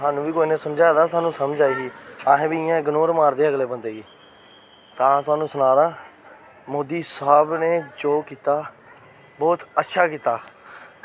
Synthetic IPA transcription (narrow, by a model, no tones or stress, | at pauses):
ɦaːnũːʋiːkoːiːnẽːsəmd͡ʒaːd̪aːt̪ʊaːnũːsəmd͡ʒaːiːɦiːaːɦẽːbiːɪjãːɡənoːɾmaːɾd̪eːəɡleːbənd̪eːɡiː | t̪ãːt̪ʊaːnũːsʊnaːɾaː | moːd̪iːsaːbneːd͡ʒoːkiːt̪aː | bɔːt̪ətːʃʰaːkiːt̪aː